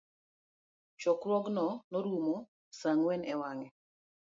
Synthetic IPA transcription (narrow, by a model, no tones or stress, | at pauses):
t͡ʃɔkɾɔɡnɔnoɾumo | saŋwɛnɛwaŋɛ